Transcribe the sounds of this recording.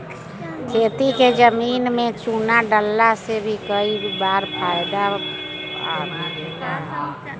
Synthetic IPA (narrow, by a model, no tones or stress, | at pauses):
kʰeːt̪iked͡ʒəmiːnmẽt͡ʃuːnaɖəlːasebʱikəibaːɾpʰaːɪd̪a | a̰aea